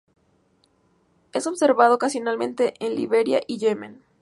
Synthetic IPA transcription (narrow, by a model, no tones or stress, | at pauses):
e̞so̞βse̞ɾβað̞o̞kasjo̞nalmẽ̞nt̪e̞ʔenliβe̞ɾja̰ʔiʝemẽn